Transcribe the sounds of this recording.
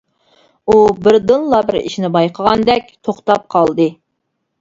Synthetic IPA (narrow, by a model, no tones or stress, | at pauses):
ubɪɾd̪ɨnlˠɑbɪɾḭʃnɪbɑjqʰəʁɑnd̪ɛkʲt̪ʰoχt̪ɑp̚qʰɑlˠd̪ɨ